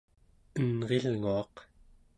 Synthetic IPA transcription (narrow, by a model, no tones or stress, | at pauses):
ənʁelŋuɑq